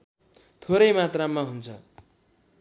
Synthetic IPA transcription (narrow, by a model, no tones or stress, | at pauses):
t̪ʰoɾʌjmat̪ramːaɦunt͡sʰʌ